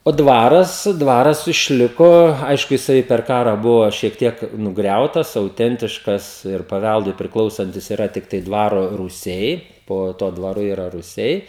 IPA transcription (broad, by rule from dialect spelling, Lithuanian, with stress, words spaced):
oː ˈdʋɑːrɐs ˈdʋɑːrɐs ɪʃʲˈlʲɪkoː ˈɐɪʃkʊ jɪˈsɐɪ pʲɛr ˈkɑːrɑː ˈbʊʋoː ʃʲiɛk ˈtʲiɛk nʊˈɡrʲɛʊtɐs ɐʊˈtʲɛnʲtʲɪʃkɐs ɪr pɐˈʋʲælˠdʊɪ pʲrʲɪˈklˠɐʊsɐnʲtʲɪs ɪˈrɐ tʲɪkˈtɐɪ ˈdʋɑːroː ruːˈsʲɛɪ ˈpoː tuɔ dʋɐˈrʊ ˈiːrɐ rʊˈsʲɛɪ